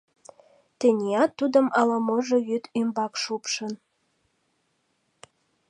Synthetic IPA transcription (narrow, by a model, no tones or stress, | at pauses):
t̪ĕnʲeɑt̪ːud̪ə̆mɑlɑmoʒĕjyt̪ymbɑkʃupʃɤn